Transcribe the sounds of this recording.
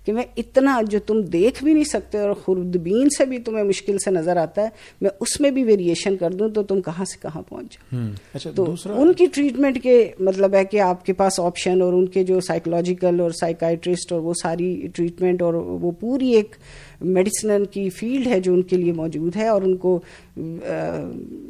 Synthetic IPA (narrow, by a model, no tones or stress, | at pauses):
kemɛ̃ɪt̪nad͡ʒoːt̪ʊmd̪eːkʰbʱinɐɦĩsɐk̚t̪eɔːɾxʊɾd̪biːnsebʱit̪ʊmẽmʊʃkɪlsenɐzəɾaːt̪aɦɛː | mɛ̃ʊsmẽbʱiʋeːɾieːʃənkɐɾd̪ũt̪ot̪ʊmkɐɦãse̥kɐɦã̰pɔ̰̃ːʊ̃t͡ʃd͡ʒaːɡt̪oːʊnkiʈɾiːʈmɛ̃ɳʈkemɐt̪̬ləbɦɛkeaːpkepaːsɔːpʃənɔːɾʊnked͡ʒoːsaːɪkəlɔːd͡ʒɪkəlɔːɾsaːɪkaːɪʈɾɪsʈɔːɾʋosaːɾiʈɾiːʈmɛ̃ɳʈɔːɾʋopuːɾieːk | mɛɖɪsnənkifiːlɖɦɛd͡ʒoːʊnkeliemɔːd͡ʒuːd̪ɦɛɔːɾʊnko